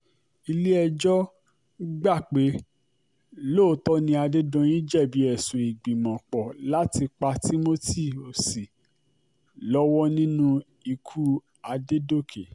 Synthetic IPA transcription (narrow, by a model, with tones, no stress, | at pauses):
i˧le˦ɛ˧d͡ʒɔ˦ | ɡ͡ba˦˨k͡pe˨˦ | lo˦˨˦tɔ˦nĩ˧˦a˧de˦dɔ̃˧jĩ˦d͡ʒɛ˦˨bi˨˦ɛ˦˨sũ˨i˨ɡ͡bĩ˨mɔ̃˨k͡pɔ˨la˦ti˧k͡pa˧ti˦mo˦ti˦˨o˨si˨ | lɔ˦wɔ˦nĩ˦nũ˦ | i˧kʰu˦ | a˧de˦do˦˨kʰe˨